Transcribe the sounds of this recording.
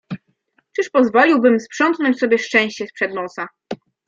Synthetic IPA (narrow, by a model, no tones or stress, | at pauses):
t͡ʂɘʂpɔzvɔlʲiwbɘmspʂɔnt̪nɔɲt͡ɕsɔbʲjɛʂt͡ʂɛ̃w̃ɕt͡ɕɛspʂɛd̪nɔsa